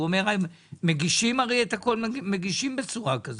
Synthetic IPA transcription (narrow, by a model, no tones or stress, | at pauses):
uome̞ʁajemːeɡiʃimaʁejet̪ako̞lme̞ɡiʃimbet͡suʁakaz